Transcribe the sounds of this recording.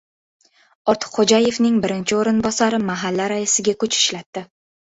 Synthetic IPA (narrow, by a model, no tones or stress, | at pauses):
ɒɾt̪ʰɨ̥qχod͡ʒaje̞fnɪŋbɪɾɪnt͡ʃʰɪoɾɪnbɒsaɾɪmaɦalːaɾaɪsɪɡʲakʊt͡ʃɪ̥ʃlat̪ːɪ